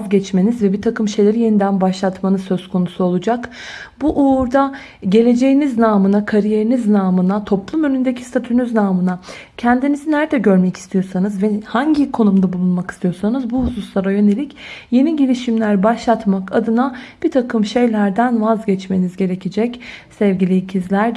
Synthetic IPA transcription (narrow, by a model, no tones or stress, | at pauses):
zɟɛt͡ʃme̞nizvɛbit̪ʰakʰɯmʃe̞jlʲe̞ɾije̞nid̪ænbaʃlˠat̪manɯzsø̞z̥kʰo̞nusuolˠud͡ʒak | buʔuɾd̪a | ɟe̞lʲe̞d͡ʒe̞jiniznaːmɯnakʰaɾije̞ɾiniznaːmɯnat̪ʰo̞plˠumø̞nynd̪ecʰist̪ʰat̪ʰynyznaːmɯna | cʰɛnd̪inizinæɾd̪ɛɟø̞ɾmɛci̥st̪ʰijo̞sanɯzvɛhaɲɟikʰo̞numd̪abulˠunmaki̥st̪ʰijo̞ɾsanɯzbuhususlˠaɾajø̞ne̞lʲicje̞niɟilʲiʃimlʲæɾbaʃlˠat̪makʰad̪ɯnab̥it̪ʰakʰɯmʃe̞jlʲæɾd̪ænvazɟɛt͡ʃme̞nizɟe̞ɾecʰed͡ʒɛcsɛvɟilʲiicʰizlʲæɾ